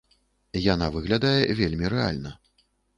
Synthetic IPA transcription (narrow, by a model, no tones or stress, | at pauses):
janavɨɣlʲad̪ajɛvʲelʲmʲirɛa̰lʲnɐ